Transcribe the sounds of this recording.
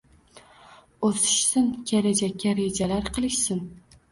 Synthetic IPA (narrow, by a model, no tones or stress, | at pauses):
osɪ̥ʃsɪnkʲeɾad͡ʒakʲːaɾed͡ʒalaɾqʰɨlˠɪʃsɪn